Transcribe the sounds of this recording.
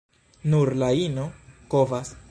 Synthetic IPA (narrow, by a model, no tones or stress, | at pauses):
nuɾlainokovas